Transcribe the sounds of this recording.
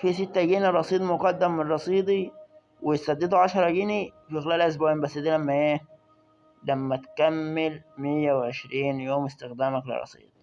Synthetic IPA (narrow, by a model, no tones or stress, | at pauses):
fiset̪ːæɡiːnerˤːɑsˤiːd̪ˤmoqɑd̪ːæmːɪrˤːɑsˤiːd̪ˤi | wesæd̪ːed̪uʕɑʃɑɾˤɑɡinifixlæːlʔes̬bæembæsːd̪iːlæmːæʔeː | læmːæt̪kæmːelmɪjːæweʕeʃɾiːnjoːmɪst̪ɪxd̪æːmæklɪ̰rˤːɑ̰sˤḭːd̪̥̚ˤ